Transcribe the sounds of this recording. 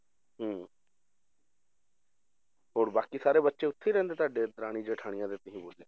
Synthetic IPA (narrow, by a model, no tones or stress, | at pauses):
ɦəː | ɦoːɾbaːkisaːɾeːbətːʃeːʊt̪ʰːiːɾɛ̃ːnd̪eːt̪aːɖeːd̪ɾaːɽ̃iːd͡ʒeːʈʰaːɽɪjãd̪eːt̪ɪɦĩːboːd͡ʒjã̰ː